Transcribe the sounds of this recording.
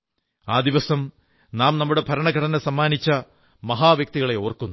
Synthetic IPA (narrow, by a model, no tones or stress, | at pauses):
aːd̪iʋɐsɐm | naːmnɐmːuɽe̞bʱɐɾɐɳɐɡɐɽɐnɐsɐmːaːnit͡ɕːɐ | mɐɦaːʋjɐk̚t̪iɣɐɭe̞o̞ːrkːunːu